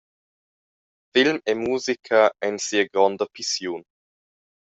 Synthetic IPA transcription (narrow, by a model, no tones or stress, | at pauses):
fɪlmemuːzikʰaɛnsiəɡɾɔndəpʰisjoːn